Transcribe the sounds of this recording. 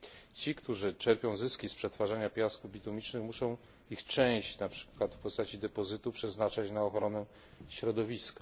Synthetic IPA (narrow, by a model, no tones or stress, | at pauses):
t͡ɕikt̪uʐɘt͡ʂɛɾpʲjɔ̃w̃zɘskʲispʂɛt̪faʐaɲapʲjaskuvbʲit̪umʲit͡ʂnɘxmuʂɔ̃w̃ | ixt͡ʂɛ̃w̃ɕt͡ɕnapʂɘ̥kwat̪fpɔst̪at͡ɕid̪ɛpɔzɘt̪upʂɛznat͡ʂat͡ɕnaɔxɾɔnɛ | ɕɾɔd̪ɔvʲiska